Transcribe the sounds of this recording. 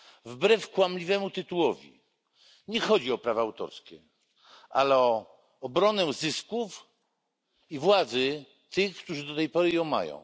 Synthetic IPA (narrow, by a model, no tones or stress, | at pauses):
vbɾɛfkwamlʲivɛmut̪ɘt̪uwɔvʲḭ | ɲɛxɔd͡ʑiɔpɾavaːwt̪ɔ̰ɾskʲɛ | a̰lɛɔː | bɾɔnɛzɘskuf | ivwad̪zɘ | t̪ɘxkt̪uʐɘd̪ɔt̪ɛjpɔɾɘjɔ̃w̃ma̰jɔ̰̃w̃